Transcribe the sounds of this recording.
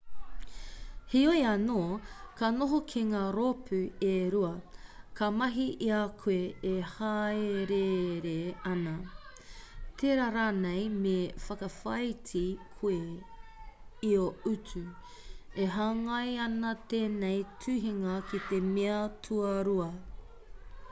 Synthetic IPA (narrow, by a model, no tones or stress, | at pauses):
hiojɐnoːkanoɦokʰeŋaːɾopʰʉeɾuɐkɐmɐɦiʔiakʰueehaeɾeɾeɐnɐ | t̪ʰeɾaɾanejmefɐkɐfɐjtikʰue | ioʉtʉ | eɦɐŋɐjɐnɐt̪eːnejtʰʉɦiŋɐkit̪emeɐtʰuɐɾuɐ